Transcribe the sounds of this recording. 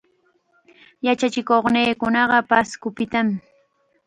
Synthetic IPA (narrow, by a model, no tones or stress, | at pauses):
jat͡ʃat͡ʃɪkoχneːkʊnɑɢɑpaskʊpɪt̪am